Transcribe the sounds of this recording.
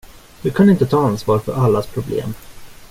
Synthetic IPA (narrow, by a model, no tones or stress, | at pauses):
d̪̥ɵkʰanɪnt̪ət̪ʰɑːansvɑːɾfœɾʔalːaspʰɾʊblḛːm